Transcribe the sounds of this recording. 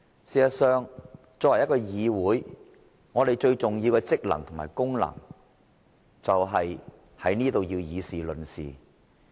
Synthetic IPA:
siː˨˧sɐ˨sœː˨ŋ | t͡sɔː˧wɐ˨˩jkɔː˧jiː˨˧wuː˨˥j | ŋɔː˨˧t̪e˨jt͡ʃɵ˧ɥt͡sʊ˨ŋji˧wkɛ˧t͡sɪ˥k̚lɐ̰˨˩ŋt̪ʰʊ˨˩ma̰ː˨˩jkʊ˥ŋlɐ̰˨˩ŋ | t͡sɐ˨wɦɐ˨j | hɐ˨˥jniː˥t̪o˨wjiː˧wjiː˨˧siː˨lɵ˨nsḭː˨

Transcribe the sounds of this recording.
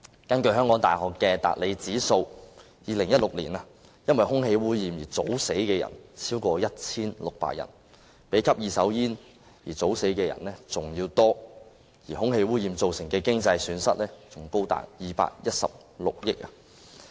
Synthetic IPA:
kɐ˥nkɵ˧ɦœː˥ŋkɔː˨˥ŋt̪a̰ː˨˩hɔː˨kːɛː˧t̪a̰ː˨t̚le˨˧jt͡siː˨˥so˧w | jiː˨˧lɪ˨˩ŋjɐ˥t̚lʊ˨k̚lḭ˨˩naː˧ | jɐ˥nwɐ˨jɦʊ˥ŋɦe˨˧jwuː˥jiː˨˧mjiː˨˩t͡so̰˨˥wse˨˥jkɛː˧jɐ̰˨˩nt͡sʰiː˥wkɔː˧jɐ˥t̚t͡sʰiː˥nlʊ˨k̚pa̰ː˨t̚jɐ̰˨˩n | pe˨˥jkʰɐ˥p̚jiː˨˧sɐ˨˥wjiː˥n | jiː˨˩t͡so˨˥wse˨˥jkɛː˧jɐ̰˨˩nlɛ˥t͡sʊ˨ŋjiː˧wt̪ɔː˥ | jiː˨˩hʊ˥ŋhe˧jwuː˥jiː˨˧mt͡so˨wsɪ˨˩ŋkɛː˧kɪ˥ŋt͡sɐ˧jsyː˨˧˥nsɐ˥t̚lɛː˥t͡sʊ˨˩ŋko˥wt̪a̰ː˨k̚jiː˨˧pa̰ː˨k̚jɐ˥t̚sɐ̰˨p̚ | lʊ˨k̚jɪ˥k̚a˧˨

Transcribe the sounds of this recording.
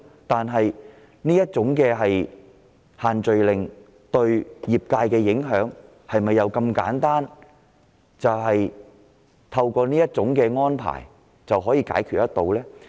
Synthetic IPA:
t̪aː˨nɦɐ˨j | niː˥jɐ˥t̚t͡sʊ˨˥ŋkɛː˧ɦɐ˨j | haː˨nt͡ʃɵ˨ɥlɪ˨ŋ | t̪ɵ˧ɥjiː˨p̚kaː˧jkɛː˧jɪ˨˥ŋɦœː˨˥ŋ | hɐ˨jmɐ˨jːɐ˨˧wkɐ˧mka̰ː˨˥nt̪aː˥n | t͡sɐ˨wɦɐ˨j | t̪ʰɐ˧wkɔː˧niː˥jɐ˥t̚t͡sʊ˨˥ŋkɛː˧ŋɔː˥npʰa̰ː˨˩j | t͡sɐ˨wɦɔː˨˥jiː˧ka̰ː˨˥jkʰyː˨t̚jɐ˥t̪o˨wlɛː˥

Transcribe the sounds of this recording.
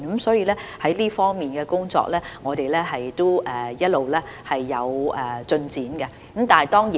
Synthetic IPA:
nkɐ˨˥msɔː˨˥jiː˧lɛː˥hɐ˨˥jliː˥fɔː˥ŋmiː˨nɡɛː˧kʊ˥ŋt͡sɔ̰ː˧k̚lɛː˥ŋɔː˨˧t̪e˨jlɛː˥ɦɐ˨jt̪o˥ʔɛ˨˧jɐ˥t̚lo˨wlɛː˥hɐ˨jːɐ˨˧wʔɛ˨˩t͡sɵ˧nt͡siː˨˥nɡɛ˧ | kə˨˥mt̪aː˨nɦɐ˨˩jt̪ɔː˥ŋjiː˨

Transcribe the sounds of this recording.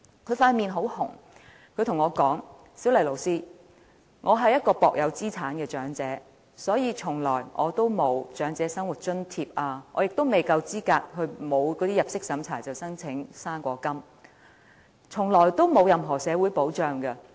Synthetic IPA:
kʰɵ˨˧ɥfaː˧n̚miː˨nɦo˨˥whʊ̰˨˩ŋ | kʰɵ˨˧ɥt̪ʰʊ˨˩ŋɔː˨˧kɔː˨˥ŋ | siː˨˥wlɐ˨˩jlo˨˩wsiː˥ | ŋʔɔː˨˧ɦɐ˨jɐ˥t̚kɔː˧pɔː˨k̚jɐ˨˧wt͡siː˥t͡sʰaː˨˥nkɛː˧t͡ʃœː˨˥ŋt͡sɛː˨˥ | sɔː˨˥jiː˨˧t͡ʃʰʊ˨˩ŋlɔː˨˩jŋʔɔː˨˧t̪o˥wmo˨˧wt͡ʃœː˨˥ŋt͡sɛː˨˧˥sɐ˥ŋwu˨˩t̚t͡ʃɵ˥nt̪ʰiː˧p̚ʔaː˧ŋɔː˨˧jɪ˨k̚t̪o˥wme˨jkɐ˧wt͡siː˥kaː˧k̚hɵ˨˧ɥmo˨˧wkɔː˨˧t̪iː˥jɐ˨p̚sɪ˥k̚sɐ˨˥mt͡sʰaː˨˩jt͡sɐ˨˩wsɐ˥ŋt͡sʰɪ˨˥ŋsaː˥nkʷɔː˧kɐ˥m | t͡sʰʊ˨˩ŋlɔː˨˩jt̪o˥wmo˨˧wjɐ˨mɦɔː˨˩sɛː˨˧wuː˨˥jpo˨˥wt͡ʃœː˨ŋkɐ˧

